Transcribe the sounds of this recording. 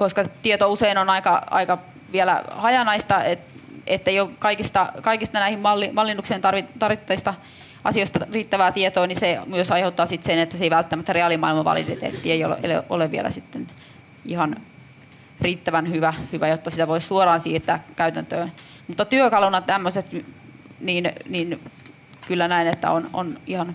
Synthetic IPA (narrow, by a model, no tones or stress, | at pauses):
koskɑt̪iet̪ouseinonɑikɑɑ̰ikɑ | ʋielæ̰hɑjɑnɑist̪ɑetet̪ːeiokɑikist̪ɑkɑikist̪ɑnæihimmɑlːimɑlːinuksent̪ɑrʋit̪ɑrʋit̪ːɑist̪ɑ | ɑ̰sioist̪ɑriːt̪ːæʋæːt̪iet̪oːnisemyøsɑiheut̪ːɑːsit̪senet̪ːæseiʋælt̪ːæmæt̪ːæreɑlimɑ̰ilmɑʋɑ̰lḭt̪ḛt̪ḛt̪ːieio̰l̰ʔḛlḛʔo̰leʋʋiḛlæ̰sit̪ːen | ihɑn | riːt̪ːæʋænhyʋæhyʋæjot̪ːɑsit̪æʋoissuorɑːnsiːrt̪æ̰ːkkæyt̪ænt̪øːn | mut̪ːɑt̪yøkɑlunɑt̪æmːøset̪ | niːnniːn | kylːænæinet̪ːæ̰ono̰nihɑn